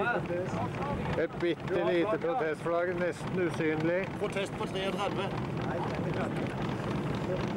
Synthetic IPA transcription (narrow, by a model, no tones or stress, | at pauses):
ɛt̪̚bɪt̪ːəliːt̪əpʰɾʊt̪ʰɛst̪flɑɡənɛst̪n̩ʉsyːnəlɪpʰɾʊt̪ʰɛst̪̚pʰɔt̪ʰɾeːɔɾd̪æɾʋə